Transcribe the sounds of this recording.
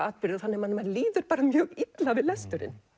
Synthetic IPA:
aːðpɪɾðɪɔθanːɪmanːɪmaɾliːðʏɾ̥paːɾamjœːɣit̪lavɪðlɛst̪ʏɾɪ̰n

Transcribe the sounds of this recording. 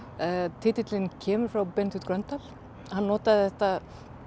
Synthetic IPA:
t̪ʰɪt̪ɪt̪lɪncʰɛːmʏɾ̥fɾawpɛnt̪ʰʏt̪kɾœnt̪al̥ | hanːɔːt̪aðɪθɛht̪a

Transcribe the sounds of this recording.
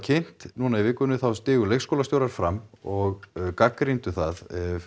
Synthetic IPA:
cʰejn̥t̪nunaivɪːkːʏnʏθawst̪ɪːɣʏlejxskowlast̪jowɾaɾ̥fɾamɔɣkakːɾijnt̪ʏθaðɛv

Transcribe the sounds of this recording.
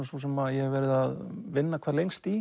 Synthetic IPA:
susɛmaðjɛhɛvɛːɾɪðaðvɪnːakʰɛːɾlejŋst̪i

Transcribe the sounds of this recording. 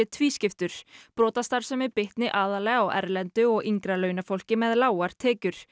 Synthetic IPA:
ɪt̪ʰviːscɪft̪ʏɾ̥pɾɔːt̪ast̪aɾ̥sɛmɪpɪht̪nɪʔaːðalɛːɣawʔɛ̰ɾlɛnt̪ʏɔɣiŋkɾalœːɥnafowl̥cɪmɛðlaːwaɾ̥t̪ʰɛːcʏɾ̥

